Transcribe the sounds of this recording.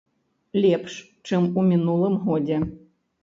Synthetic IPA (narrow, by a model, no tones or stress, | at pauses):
lʲɛpʂ | t͡ʃɨmumʲinulˠɨmɣɔdʲe